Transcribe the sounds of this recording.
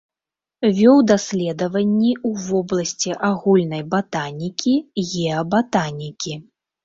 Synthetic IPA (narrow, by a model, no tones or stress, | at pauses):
vʲɔwd̪asʲlʲɛd̪ɐvɐnʲːiuvɔblˠɐsʲt͡sʲiʔaɣulʲnɐjbat̪anʲikʲiɣʲɛɐbat̪anʲikʲi